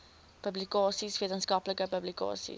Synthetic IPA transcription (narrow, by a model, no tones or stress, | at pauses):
pəblikɑːsisviət̪ənskɐpləkəpəblikɑ̰ːsḭ